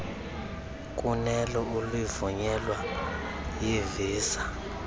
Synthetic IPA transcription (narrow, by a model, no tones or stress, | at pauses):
kʼunɛlɔulwivuɲɛlwa | jeviːsa